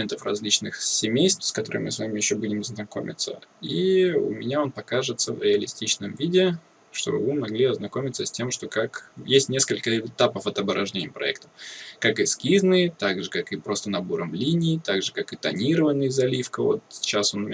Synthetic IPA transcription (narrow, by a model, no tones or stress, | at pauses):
ent̪əfrɐ̰zʲlʲit͡ɕnɨxsʲɪmʲejst̪fskɐt̪o̞ɾɨ̰mɨ̰svamʲɪjɪɕːo̞budʲɪmznɐko̞̰mʲɪ̰t̪sə̰iʊ̰mʲɪnʲao̞npɐkaʐɨt̪səvɾʲɪɐlʲɪsʲtʲit͡ɕnəmvʲidʲɪ | ʂt̪o̞bɨvɨmɐɡlʲiɐznɐko̞mʲɪt̪səsʲtʲe̞mʂt̪o̞kakjesʲtʲnʲe̞skəlʲkəɪt̪apəfɐt̪ɐbəɾʔɐʐdʲenʲɪjəpɾɐ̰ɛ̰kt̪ə̥fkakɨskʲiznɨjt̪aɡʐɨkakɨpɾo̞st̪ənɐbo̞ɾəmlʲinʲɪːt̪aɡʐɨkakɨt̪ɐnʲiɾəvənːɨjəzɐlʲifkəvo̞̰t̪sʲɪ̥t͡ɕːaso̞n